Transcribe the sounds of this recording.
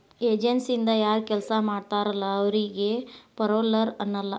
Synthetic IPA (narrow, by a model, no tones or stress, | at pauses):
eːd͡ʒensind̪ɐjaːɾkɛlsɐmaːɽt̪aːɾɐlːɐːʋɐɾiɡe̞pɐɾoːlɐɾɐnːɐlːɐ